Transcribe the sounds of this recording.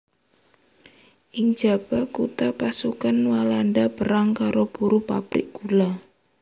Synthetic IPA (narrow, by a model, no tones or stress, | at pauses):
ʔɪŋ̥d͡ʒ̥a̤b̥akut̪apasukanwalanɖab̥əɾaŋkaɾob̥uɾupa̰bɾɪ̰k̚ɡ̥ula